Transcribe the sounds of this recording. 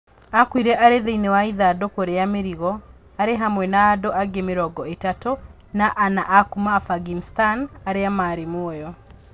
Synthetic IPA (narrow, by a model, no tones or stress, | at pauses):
akwiɾɛʔaɾeðeinewaiðadokoɾeameɾiɣɔ | aɾeɦamwɛnaːdoʔaɡemeɾɔɡɔetato | naʔanaʔakumafaɡinstanaɾeamaɾemoɔjɔ